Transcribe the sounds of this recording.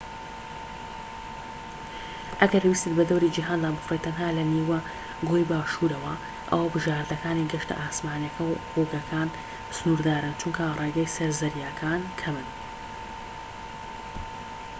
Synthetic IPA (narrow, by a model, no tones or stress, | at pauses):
ʔɐɡɐɾbwist̪et̪bɐd̪ɐwɾid͡ʒiɦaːnd̪aːbɨfrejt̪ʰɐnɦaːlɐniwɐ | ɡojbaːʃuːɾɐwɐ | ʔɐ̰wɐbɨʒaːɾd̪ɐkaːniɡɐʃt̪ɨ̰ʔaːsmaːnjɐkʰɐwquɡɐkʰaːn | sɨnuːɾd̪aːɾɨnt͡ʃuŋkʰɐrˤeːɡɐjsɐɾzɐɾjakʰaːnkʰɐmɨn